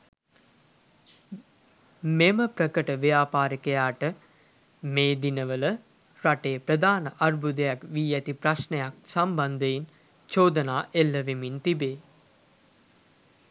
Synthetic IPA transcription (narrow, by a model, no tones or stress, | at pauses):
meməpɾəkəʈəʋjaːpaːɾikejaːʈə | meːd̪inəʋələ | ɾaʈeːpɾəd̪aːnəʔarbʱud̪əjakʋiːæt̪ipɾaʃnejak̚samband̪əjin | t͡ʃoːd̪ənaːʔelːəʋemint̪ibeː